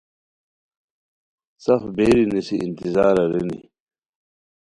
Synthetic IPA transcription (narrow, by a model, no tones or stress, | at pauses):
sɐfbeːɾinisiʔint̪izaːɾɐɾinḭ